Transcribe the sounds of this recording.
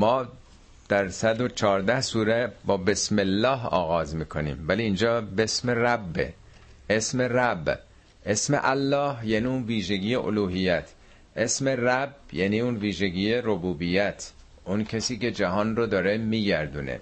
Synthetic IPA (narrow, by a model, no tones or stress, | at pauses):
mɒː | d̪̥æɾsæd̪o̞t͡ʃʰɒːɾd̪æhsuːɾæbɒːbe̞smelːɒːɦɒ̰ːɣɒːzmiːkʰonḭːmvæliːnd͡ʒɒːbe̞smeræbːḛ | esme̞ræb | ʔesmḛʔælːɒːhjæniːunviːʒeɡiːjeʔo̰luːɦijæt̪ʰ | ʔe̞sme̞ræbjæniːuːnviːʒeɟiːjerobuːbijæt̪ʰ | ʔuncʰesiːce̞d͡ʒæɦɒːnrod̪ɒːɾemiːɟæɾd̪ṵːnḛ